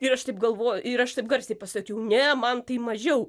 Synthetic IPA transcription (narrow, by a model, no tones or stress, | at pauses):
ɪɾɐʃt̪ɐɪp̚ɡɐlˠʋoːjʊɪɾɐʃt̪ɐɪp̚ɡɐɾʲsʲeɪpɐsɐkʲɛʊnʲɛmɐnt̪ɐɪmɐʒʲɛʊ